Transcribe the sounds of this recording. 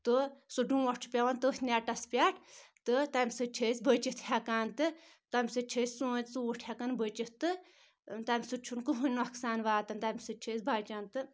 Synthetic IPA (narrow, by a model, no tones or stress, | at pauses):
t̪ɨsuɖũːʋɐʂt͡ʃʰu̥pʲɐʋɐnt̪əsʲnʲaʈɐspʲaʈʰt̪ɨt̪ɐmʲsɨt͡ʃʰəsʲbət͡ʃit̪hʲɐkaːnt̪ɨ | t̪ɐmʲsɨt͡ʃʰəːsʲsũːsuuʈʰhʲɐkɐnbət͡ʃit̪ɨ | t̪ɐmʲsɨt͡ʃʰunkuɦunʲnɐksaːnʋaːt̪ɐnt̪ɐmʲsɨt͡ʃʰəːsʲbaːt͡ʃant̪ɨ